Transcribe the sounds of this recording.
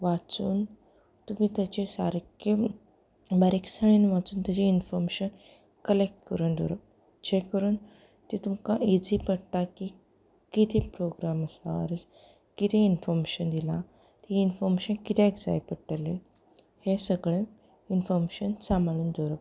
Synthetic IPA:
ʋat͡suːn | t̪umiːt̪jat͡ɕesa̰ɾeke | baɾeksəɭ̃inʋat͡suːnt̪at͡ɕeinfɔɾmeɕən | kəlek̚ʈkəɾuːnd̪o̰ɾə | d͡ʑekəɾuːn | t̪et̪umkaed͡zipəɽt̪aki | kit̪ʰepɾoɡɾaməsaə̰ɾd͡z | kit̪ʰeinfɔɾmeɕənd̪ila | t̪iinfɔɾmeɕənkit̪ʰeekd͡za̰jpəʈəle | hesəɡɭẽ | infɔɾmeɕənsamaluːnd̪oɾəp

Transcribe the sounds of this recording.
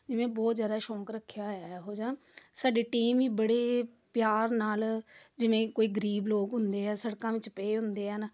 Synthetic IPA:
d͡ʒɪʋẽːbɔːt̪zjaːd̪aːʃɔ̃ːkɾəkʰːjaːɦoːd͡ʒãː | saːɖeːʈiːmʋiːbəɽeː | pjaːɾnaːld͡ʒɪʋẽːkoːiːɡəɾiːbloːkɦʊnd̪eːɛːsəɽkãːʋɪt͡ʃpeeːɦʊ̃nd̪eːən

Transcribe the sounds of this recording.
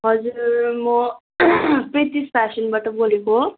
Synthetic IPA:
ɦʌd͡zurmʌ | pret̪ispʰasʌnbaʈʌboleko

